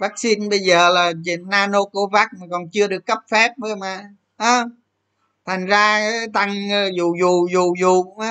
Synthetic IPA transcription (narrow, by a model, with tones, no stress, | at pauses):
vaː˦˥k̚si˧nɓə˧jzəː˨˩laː˨˩t͡ɕi˨˩nːaː˧no˧ko˧˩˦vaː˦˥k̚maː˨˩kɔ˨˩nt͡ɕɨ˧əɗɨ˨˩əkːə˦˥p̚fɛ˦˥p̚ɗə˧jmaː˨˩ | haː˨˧ | t̪ʰa˨˩jŋ̟zaː˧˦t̪a˧ŋː˧zu˨˩zu˨˩zu˨˩zu˨˩˧ŋ͡ma˨˧˦